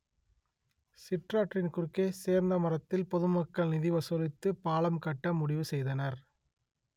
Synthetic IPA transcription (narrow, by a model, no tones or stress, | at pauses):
sɪʈraːʈrɪnkʊrkːeːseːɾnd̪ɐmɐrɐt̪ːɪlpɔðɯmɐkːɐɭnɪðɪʋɐsɔlɪt̪ːɯpaːlɐmkɐʈːɐmʊɽɪʋɯsɛjðɐnɐɾ